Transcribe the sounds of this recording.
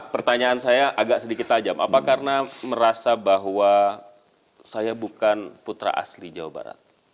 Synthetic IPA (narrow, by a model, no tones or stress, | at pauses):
pərt̪aɲaːnsajaʔaɡaʔsədikɪt̪ad͡ʒamʔa̰pakarnaməɾasabaɦwa | sajabukanput̪ɾa̰ʔa̰slid͡ʒawa̰ba̰ɾa̰t̪̚